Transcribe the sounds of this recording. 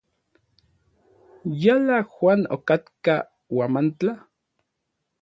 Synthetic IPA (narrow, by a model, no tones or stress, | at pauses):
jalaxwʷaːno̰kat̪ka | wamant͡ɬa